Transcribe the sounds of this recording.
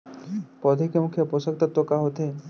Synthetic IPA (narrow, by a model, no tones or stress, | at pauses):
pɔd̪ʱekemukʰjaposak̚t̪ɔt̪okaɦot̪e